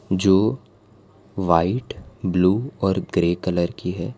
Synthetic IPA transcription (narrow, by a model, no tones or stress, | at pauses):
d͡ʒoː | ʋaːɪʈbluːɔːɾɡɾeːkələɾkiɦɛː